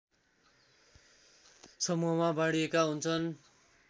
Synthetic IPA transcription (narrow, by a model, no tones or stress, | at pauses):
sʌmuɦʌmabaɽiekaɦunt͡sʰʌn